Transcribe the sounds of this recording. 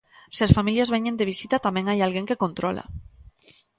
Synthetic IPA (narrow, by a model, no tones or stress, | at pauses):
sesfamiljazβeɲend̪eβ̞isit̪at̪amẽŋajalɣeŋkekont̪ɾɔla̰